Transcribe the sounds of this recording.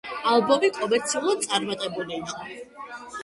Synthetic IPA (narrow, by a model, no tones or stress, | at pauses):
alˠbɔmikʼɔmɛɾt̪sʰiulˠad̪̚t̪sʼaɾmat̪ʼɛbuliːqʼɔ